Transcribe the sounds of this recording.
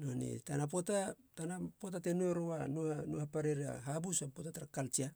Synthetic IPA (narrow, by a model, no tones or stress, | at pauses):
nonḛtanapo̞tatanapotatenueɾowanuhanuhapaɾeɾia̰ɦabusapotataɾakalt͡ʃia